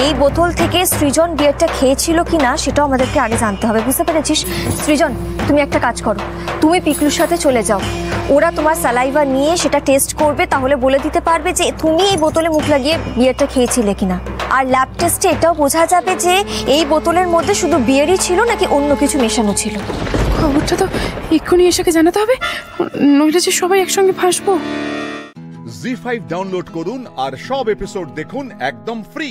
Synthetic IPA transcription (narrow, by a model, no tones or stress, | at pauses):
ejbɔt̪olt̪ʰekesɾid͡ʑonbieɾʈakʰeet͡ɕʰilokinaʃeʈaoamad̪eɾkeaɡed͡ʑant̪eɦɔbebud͡ʑt̪epaɾet͡ɕʰiʃsɾid͡ʑon | t̪umiɛk̚ʈakad͡ʑkɔɾo | t̪umipikluɾʃat̪ʰet͡ɕoled͡ʑaooɾat̪omaɾsalajbaɾnijeʃeʈaʈesʈkoɾbet̪aɦoleboled̪it̪epaɾbed͡ʑet̪umiejbɔt̪olemukʰlaɡiebiaɾʈakʰeːt͡ɕʰilekinaaɾlab̚ʈesʈeʈaobod͡ʑʱad͡ʑabed͡ʑeejbɔt̪oleɾmod̪ʱːeʃud̪ʱubiaɾit͡ɕʰilonakiʔonːokit͡ɕʰumeʃanot͡ɕʰilokʰɔboɾʈat̪oikʰːonieʃaked͡ʑanat̪eɦɔbe | noɦiled͡ʑeʃɔbajɛkʃɔŋɡepʰãʃbo | zifajbɖawnloɖkoɾunaɾʃɔbepisoɖ̚d̪ekʰunɛk̚d̪omfɾi